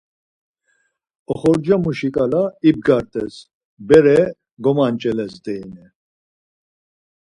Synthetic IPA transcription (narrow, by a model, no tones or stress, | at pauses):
ɔχɔɾd͡ʒamuʃikʼalaib̚ɡaɾt̪ʼɛs | bɛɾɛ | ɡɔmant͡ʃʼɛlɛsd̪ɛːnɛ